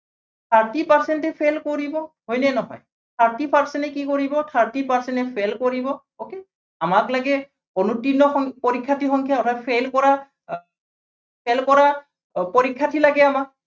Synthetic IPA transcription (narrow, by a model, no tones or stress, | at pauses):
tʰaɹtipaɹsɛntɛpʰelkoɹibɔɦojnɛnɔɦɔ̰j | tʰaɹtipaɹsɛntɛkikoɹibɔtʰaɹtipaɹsɛntɛpʰelkoɹibɔ | oke | amaklaɡɛ | onutinːɔxɔŋpoɹikʰːatʰixɔŋkʰjaɔtʰapʰelkɔɹa | pʰelkɔɹa | poɹikʰːatʰilaɡɛamak̚